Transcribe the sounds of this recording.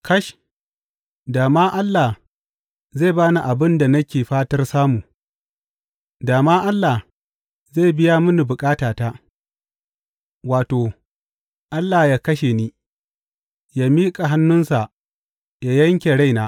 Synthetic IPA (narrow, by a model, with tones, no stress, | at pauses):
kʰɐ˦ʃ | daː˨maː˦ʔa˦lːa˨ | ze˦˨baː˦ni˨ʔa˨bɪ˦nda˨nɐ˦kʲeː˨ɸaː˦tɐ˦rsaː˦muː˨ | daː˨maː˦ʔa˦lːa˨h | za˦˨jbɪ˦ja˦mʊ˦ni˨bʊ˨kʼaː˦taː˨taː˦ | waː˨toː˨ | ʔa˦lːaː˨jaː˦kɐ˦ʃe˨niː˦ | jaː˦miː˦kʼa˨ɦa˦nːʊ˦nsa˨ʔ | jaː˦jɐ˦ŋkʲe˨ɽa˦jnaː˦